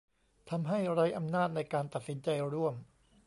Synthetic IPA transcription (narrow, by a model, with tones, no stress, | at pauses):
t̪ʰa˧mɦa˥˩jɾa˦˥jʔa˧mnaː˥˩t̪̚na˧jkaː˧nt̪a˨˩t̪̚si˩˦nt͡ɕa˧jɾu˥˩əm